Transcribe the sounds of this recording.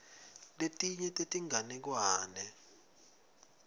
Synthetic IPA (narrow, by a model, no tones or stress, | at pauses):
letʼiɲɛtʼetʼiŋanɛk̬waːnɛ